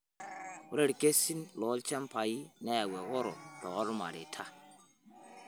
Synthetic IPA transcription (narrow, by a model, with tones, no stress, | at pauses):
u˦ɾe˦ɾke˦si˦nlɔ˨˦lt͡ʃa˦m˦pa˨ji˦nɛ˦ja˨wɛ˨ɣɔ˦ɾɔ̰˨tɔ˨ɣɔ˦ɾma̰˨ɾḛ˨tʰa˦